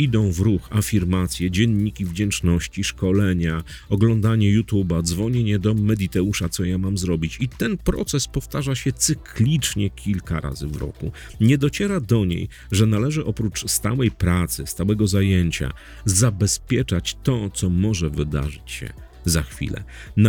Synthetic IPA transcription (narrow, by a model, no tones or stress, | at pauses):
id̪ɔ̃w̃vɾuxafʲiɾmat̪sʲjɛd͡ʑɛnːikʲivd͡ʑɛnt͡ʂnɔɕt͡ɕiʂkɔlɛɲa | ɔɡlɔnd̪aɲɛjut̪ubad̪zvɔɲeɲɛd̪ɔmɛd̪it̪ɛuʂat̪sɔjamamzɾɔbʲit͡ɕit̪ɛnpɾɔ̰t̪sɛspɔft̪aʐaɕɛt̪sɘkʰlʲit͡ʂɲɛkʲʰilka̰ɾa̰zɘ̰vɾɔ̰kṵ | ɲɛd̪ɔt͡ɕɛɾad̪ɔɲḛj | ʐɛnalɛʐɘʔɔpɾut͡ʂst̪a̰wɛjpɾat̪sɘst̪awɛɡɔzajɛɲt͡ɕa̰ | zabɛspʲjɛt͡ʂat͡ɕt̪ɔt̪sɔmɔʐɛvɘd̪a̰ʐɘt͡ɕɕɛ̰ | zaxfʲḭlɛ̰ | n